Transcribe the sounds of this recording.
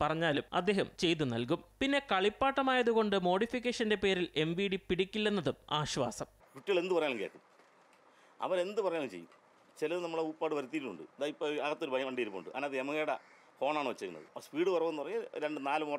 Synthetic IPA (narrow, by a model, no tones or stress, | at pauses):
pɐrɐɲːaːlumɐ̰d̪ːe̞ːɦɐmt͡ɕe̞jt̪ːunɐ̰lkumpinːe̞kɐɭipːaːʈːɐmaːjɐðuɣo̞ɳɖɨmo̞ːɽifik̬ʲːeːʂɐnde̞pe̞ːɾile̞mbiːɽipiɽikʲːilːenːɐðumaːɕʋa̰ːsɐm | kuʈːiɐɭe̞nd̪upɐjaːlŋkḛːʈːum | ɐ̰ʋɐɾe̞nd̪ɨpɐrɐjaːlumt͡ɕḛjːu | t͡ɕelɐðnɐmːɐɭuːpːaːɽɨʋɐɾut̪ːiːʈːuɳɖɨ̰eðaːipːoɐɣɐt̪ːoɾubʱɐjɐmɐɳɖijɐɾupːɐuɳɖɨʔɐ̰nːaːɐðɨemɐɣeːɽɐ | ho̞ːɳaːɳɨʋɐt͡ɕːɐjunːɐ̰ðɨ̰spiːɽɨpɐrɐʋenːpɐrɐɲːalɾeɳɖɨnaːlumoː